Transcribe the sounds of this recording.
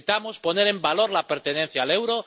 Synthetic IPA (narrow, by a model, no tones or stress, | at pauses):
it̪amospo̞ne̞ɾe̞mbalo̞ɾlape̞ɾt̪e̞ne̞n̟θjaːle̞wɾo